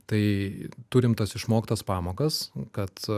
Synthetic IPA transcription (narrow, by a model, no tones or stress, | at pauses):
t̪ɐɪt̪ʊɾʲɪmt̪ɐsɪʃmoːkʲɪt̪ɐspɑːmoːkɐskɐt̪